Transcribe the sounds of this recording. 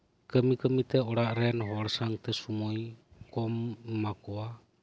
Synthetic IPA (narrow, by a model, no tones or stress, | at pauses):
kəmikəmit̪eoɾaʔɾenɦoɾsaŋt̪esumojkomːakoa